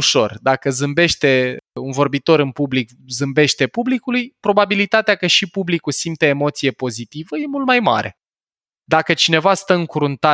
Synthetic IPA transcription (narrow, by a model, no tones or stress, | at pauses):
uʃo̞̰rd̪akəzɨmbe̞ʃt̪e̞unvo̞rbit̪o̞ɾɨnpublik | zɨmbe̞ʃt̪e̞publikulujpɾo̞babilit̪at̪eakəʃipublikusimt̪eemo̞t̪sije̞po̞zit̪ivəje̞mult̪̚majma̰ɾe̞̰ | d̪akət͡ʃine̞vast̪əɨŋkuɾunt̪a